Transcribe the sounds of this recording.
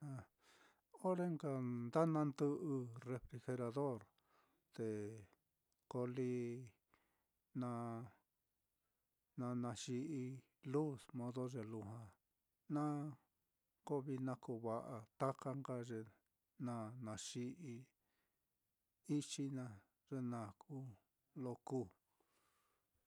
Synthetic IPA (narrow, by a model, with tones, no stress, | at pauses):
ã˧ | o˦ɾe˦ŋɡa˧nd̪a˦nã˧nd̪ɨ˧ʔɨ˧re˧fɾi˧xe˧ɾa˧ðo˦˨ɾ | t̪e˨ | ko˧li˧ | nã˧ | nã˧nã˧ʂi˧ʔi˧ | lu˦˨smõ˧ðo˦ʐe˨lu˧ɦã˧ | nã˦ | ko˦βi˧nã˦ku˧˨βa˧ʔa˧t̪a˦ka˦ŋɡa˧ʐe˧ | nã˧˨nã˨ʂi˧ʔi˧ | i˦t͡ʃi˦nã˧ | ʐ̥e˧nã˨kʰu˦ | lo˧ku˦˨